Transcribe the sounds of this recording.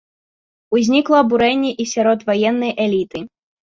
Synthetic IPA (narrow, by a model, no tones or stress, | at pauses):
uzʲnʲiklˠɔːbuɾɛnʲːɛʔisʲaɾɔt̪vajɛnːɐjʔɛlʲit̪ɨ